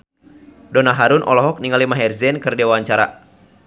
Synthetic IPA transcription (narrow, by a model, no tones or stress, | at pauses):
dɔnaɦaɾunʔɔ̰lɔɦɔk̚niŋalimaɦɛrzɛnkɨrdewaɲt͡ʃaɾa̰